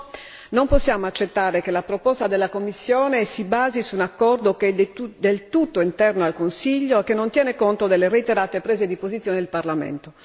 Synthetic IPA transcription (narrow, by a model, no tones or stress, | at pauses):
nomposːjaːmoat͡ʃːet̪ːaːɾekelapɾopɔst̪ad̪elːakomːisːjoːnesibaːzisuːnakːɔrd̪oked̪elt̪ut̪ːoint̪ɛrnoalkonsiʎːoekːenːont̪jɛːnekont̪od̪elːereit̪eɾaːt̪epɾeːzed̪ipozit̪sːjoːned̪elparlamḛnt̪o